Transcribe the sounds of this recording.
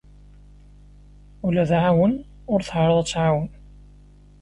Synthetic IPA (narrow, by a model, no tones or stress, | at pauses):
ulæðʕawən | ʊɾθhɾˤəðˤæt͡sːʕawən